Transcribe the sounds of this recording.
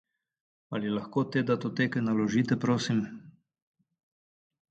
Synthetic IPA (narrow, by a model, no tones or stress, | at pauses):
alilaxkoːt̪eːd̪at̪ot̪eːkɛjnalɔʒiːt̪ɛpɾoːsim